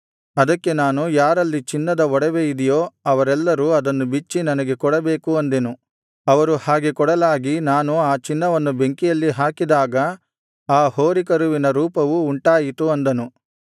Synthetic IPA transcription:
ɐd̪ɐkːe̞naːnujaːɾɐlːit͡ʃinːɐd̪ɐɔɽɛʋejid̪ɛjoːɐʋɐɾɛlːɐɾuɐd̪ɐnːubit͡ʃːinɐnɐɡe̞kɔɽɐbeːkuɐnd̪enu | ɐʋɐɾuhaːɡekɔɽɐlaːɡinaːnuaːt͡ʃinːɐʋɐnːube̞ŋkijɐlːiɦaːkid̪aːɡɐ | aːhoːɾikɐɾuʋinɐɾuːpɐʋuːɳʈaːjit̪uɐnd̪ɐnu

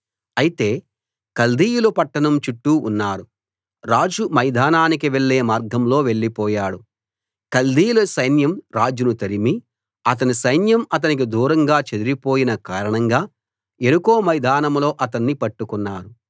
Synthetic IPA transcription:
ɐjit̪e̞ː | kɐld̪ʱiːjulɐpɐʈːɐɳɐmt͡ʃuʈːuːnːaːɽu | ɾaːd͡ʒumɐjd̪ʱaːnaːnikiʋe̞ɭːeːmaːɾɡʱɐmlo̞ːʋe̞ɭːipɔːjaːɽu | kɐld̪ʱiːjulɐsɐjnjɐmɾaːd͡ʒunut̪ɐɾimi | ɐt̪̬ɐnisɐjnjɐmɐt̪̬ɐnik̬id̪uːɾɐŋɡaːt͡ʃed̪uɾipoːjinɐkaːɾɐɳɐŋɡaː | e̞nuko̞ːmɐjd̪ʱaːnɐmlo̞ːʔɐt̪̬ɐnːipɐʈːukunːaːɾu

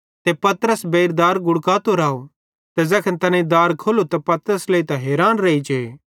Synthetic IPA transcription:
t̪epɐt̪ɾəsbeːɾd̪aːɾɡʊɽkaːt̪oɾaːo | t̪ɛzɐkʰənt̪ɐnẽd̪aːɾkʰolot̪ɐpɐt̪əɾəsleit̪ɐɦeːɾaːnɾeːit͡ʃe

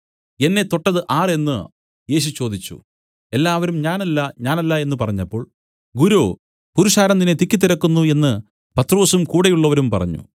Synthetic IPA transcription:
e̞nːe̞t̪o̞ʈːɐðɨʔaːre̞nːɨ | je̞ːɕ̬ut͡ɕo̞ːd̪it͡ɕːṵ | e̞lːaːʋɐɾumɲaːnɐlːɐɲaːnɐlːɐe̞nːɨpɐrɐɲːɐpːo̞ːɭ | ɡuɾoː | puɾuʂaːɾɐnd̪inet̪ikʲːit̪ːiɾɐkːunːue̞nːɨ | pɐt̪ro̞ːsumkuːɽejuɭːɐʋɐɾumpɐ̰rɐ̰ɲːṵ

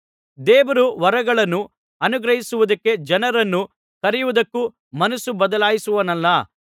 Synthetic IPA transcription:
d̪eːʋɐɾuʋɐɾɐɡɐɭɐnːu | ɐnuɡɾɐɦisuʋud̪ɐkːe̞d͡ʒɐnɐɾɐnːu | kɐɾɛjuʋud̪ɐkːu | mɐnɐsubɐd̪ɐlaːjisuʋɐnɐlːɐ

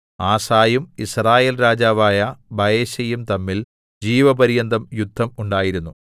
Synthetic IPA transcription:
aːsaːjumisraːje̞ːlɾaːd͡ʑaːʋaːjɐbʱɐjeːɕɐjumt̪ɐmːil | d͡ʑiːʋɐbɐɾijɐnd̪ʱɐmjud̪ʱːɐmuɳɖaːjiɾunːu

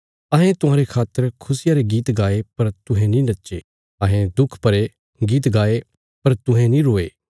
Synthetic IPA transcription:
ɐɦẽt̪ʊɦãːɾekʰaːt̪ːəɾkʰʊsɪjaːɾeɡiːt̪ɡaːepɐɾt̪ʊɦɛ̃nĩnɐtːʃḛ | ɐːɦẽd̪ʊkʰpɐɾe | ɡiːt̪̬ɡaːe | pɐɾt̪ʊ̃ɦɛ̃nĩɾoːeː

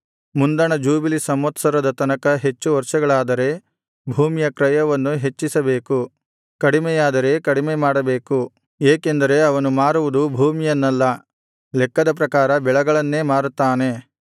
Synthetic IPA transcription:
mund̪ɐɳɐd͡ʒuːbilisɐmʋɐt̪sɐɾɐd̪ɐt̪ɐnɐkɐɦe̞t͡ʃːuʋɐɾʂɐɡɐɭaːd̪ɐɾe̞ | bʱuːmijɐkɾɐjɐʋɐnːuɦe̞t͡ʃːisɐbeːku | kɐɽimɛjaːd̪ɐɾe̞kɐɽimemaːɽɐbe̞ːku | eːke̞nd̪ɐɾe̞ɐʋɐnumaːɾuʋud̪ubʱuːmijɐnːɐlːɐ | lɛkːɐd̪ɐp̬ɾɐkaːɾɐbɛɭɐɡɐɭɐnːe̞ːmaːɾut̪ːaːne̞

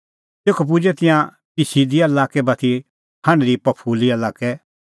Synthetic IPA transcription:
teːkʰop̬ʊd͡ʒɛt̪ɪ̃jã | pɪsiːd̪iaɐlaːkɛbɐt̪ʰi | ɐɽ̃ɾipɐpʰuːliɐlaːkɛ

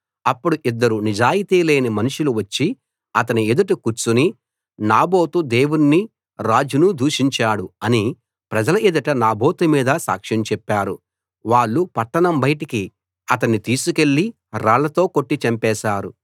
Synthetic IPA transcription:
ɐpːuɽuʔid̪ːɐɾunid͡ʒaːjit̪iːleːnimɐnuʂuluʋɐt͡ʃːi | ɐt̪ɐnied̪uʈikuɾt͡ʃːuni | naːboːt̪ud̪e̞ːwunːi | ɾaːd͡ʒunud̪ʱuːʂiɲt͡ʃaːɽuɐni | pɾɐd͡ʒɐlɐid̪ɐʈɐnaːbo̞ːt̪umiːd̪ɐsa̰ːkʂɐnt͡ʃɛpːaːɾu | ʋaːɭːupɐʈːɐnɐmbɐjʈiki | ɐt̪ɐnːit̪iːsuke̞ɭːi | ɾaːɭɐt̪o̞ːko̞ʈːit͡ʃɐmpɛːʃaːɾṵ

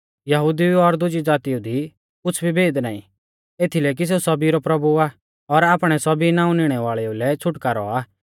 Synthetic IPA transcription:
jɐɦʊd̪iɔɾd̪ʊd͡ʒid͡zaːt̪iud̪ʱi | ʊt͡sʰbʱibʱeːd̪na̰ːḭ̃ | eːt̪ʰileːk̬is̬eːusɐbiɾɔpɾɐbua | ɔɾaːpɽ̃ɛsɐbinãːũnɪɽ̃ɛʋaːɭɛulɛt͡sʰʊʈkaɾɔ̰aː

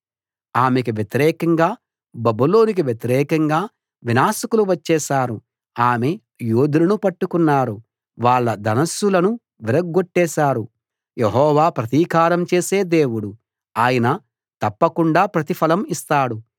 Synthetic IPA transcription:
aːmekiʋjet̪iɾɛːkɐŋɡaː | bɐbulo̞ːnik̬iʋjet̪iɾɛːkɐŋɡaː | ʋinaːʃɐkuluʋɐt͡ʃːɛːʃaːɾu | aːme | joːd̪ulɐnupɐʈːukunːaːɾu | ʋaːɭːɐd̪ɐnɐsːulɐnu | ʋiɾɐɡːoʈːɛːʃaːɾu | jeɦɔːʋaːpɾɐt̪iːkaːɾɐmt͡ʃe̞ːse̞ːd̪eːwuɽu | aːjɐnɐ | t̪ɐpːɐkuɳɖaːpɾɐt̪ipʰɐlɐmist̪aːɽu

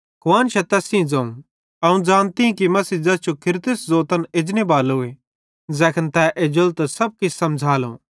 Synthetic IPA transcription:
kʊaːnʃɐt̪ɛːsĩd͡zɐ̃ːũ | ɐũd͡zaːnt̪iĩkimɐsiːd͡zɐst͡ʃʰokʰɪɾt̪ɪszoːt̪ɐnɪd͡ʒnebaːlɦʊe | zɛːkʰənt̪ɛʔed͡ʒʊlt̪sɐb̚kɪssɐmd͡zʱaːlõ̰ː

